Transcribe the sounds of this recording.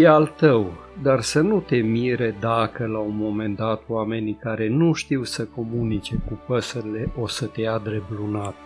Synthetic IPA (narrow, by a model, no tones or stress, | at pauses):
jealt̪əw | d̪arsənut̪e̞miɾe̞d̪akəlaunmo̞me̞nd̪at̪wame̞nikaɾe̞nuʃt̪iwsəko̞munit͡ʃe̞kupəsəɾile̞ʔo̞sət̪e̞jad̪ɾe̞blunat̪